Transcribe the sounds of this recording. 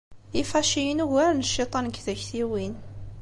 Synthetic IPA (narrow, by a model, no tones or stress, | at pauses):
ifæʃijənuʝæɾnəʃːit̪ˤɑnkːðæçθiwin